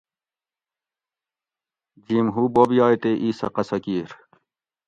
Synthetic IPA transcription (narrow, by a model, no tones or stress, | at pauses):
d͡ʑimɦubobjɑːjt̪eʔiːsɐ̰qɐsɐkiːɾ